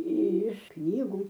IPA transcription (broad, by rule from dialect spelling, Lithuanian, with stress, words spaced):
ɪʃ ˈknʲiːɡʊ